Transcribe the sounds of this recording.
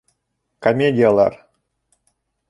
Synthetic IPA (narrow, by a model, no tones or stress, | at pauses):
kɐmʲedʲɪjalˠa̰r